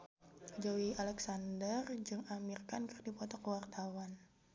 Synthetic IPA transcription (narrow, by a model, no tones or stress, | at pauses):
d͡ʒɔwialɛksandərd͡ʒɨŋamirkankərdipɔt̪ɔkəwart̪awan